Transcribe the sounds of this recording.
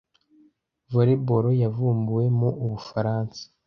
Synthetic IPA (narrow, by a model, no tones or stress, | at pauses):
voɾebo̞ɾo̞javuːmbuwe̞moʔuβufaɾaːnsḁ